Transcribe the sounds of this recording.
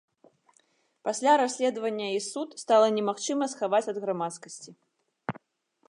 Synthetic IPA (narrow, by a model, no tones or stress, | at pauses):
pasʲlʲaɾasʲlʲɛd̪vɐnʲːɐisut̪st̪alˠɐnʲɛmaxt͡ʂɨmɐsxavat͡sʲɐd̪ɣɾamat̪skɐsʲt͡sʲi